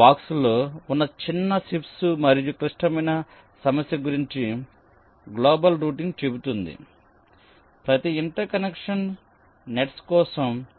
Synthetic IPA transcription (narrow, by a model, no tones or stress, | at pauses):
baːksulo̞ːunːɐt͡ʃinːɐsipsumɐɾijukɾiʂʈɐmɐjnɐ | sɐmɐsjɐɡuɾiɲt͡ʃi | ɡloːbɐlɾuːʈiŋɡt͡ʃe̞but̪und̪ḭ | pɾɐt̪iiɳʈɐɾkɐnekʂɐn | neʈskɔːsɐm